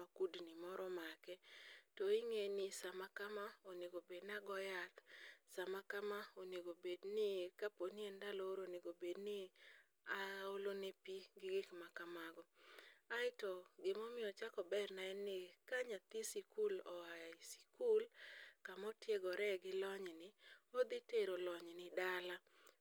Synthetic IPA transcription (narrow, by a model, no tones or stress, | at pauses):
makudnɪmɔɾɔmakɛtoiŋenɪsamakamaoneɡobednaɡɔjat̪samakamaoneɡobednɪkaponiɛndaloɾoneɡobednɪ | aolonepiɡɪɡɪkmakamaɡɔaɪtɔɡɪmɔmɪɔt͡ʃakɔbɛrnaɛnːɪkaɲat̪ɪsikulɔaisi̥kulkamɔtjeɡɔɾɛɡɪlɔɲnɪod̪iteɾolɔɲnɪdala